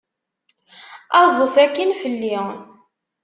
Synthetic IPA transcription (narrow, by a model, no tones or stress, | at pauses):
ɑzˤəθækːənfəlːɪ